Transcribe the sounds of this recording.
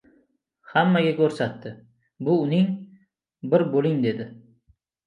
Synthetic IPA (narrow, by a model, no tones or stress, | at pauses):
hamːaɡʲakʲʰɵɾsat̪ːɪ | bʊːnɪŋ | bɪɾbolɪŋd̪e̞d̪ɪ